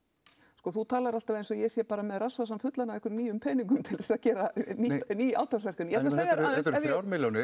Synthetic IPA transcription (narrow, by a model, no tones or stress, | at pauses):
skɔθut̪ʰaːlaɾal̥t̪avɛðensɔjɛsjɛpaːɾamɛðrasvasamt̪fʏt̪lanavɛkʏɾniːjʏmpʰɛːniŋk̬ʏmt̪ʰɪlðɛsaðcɛːɾaniniːʔa̰wt̪asvɛr̥kʏnjɛɛt̪asejaaðɾɛvawɾmɪljownɪ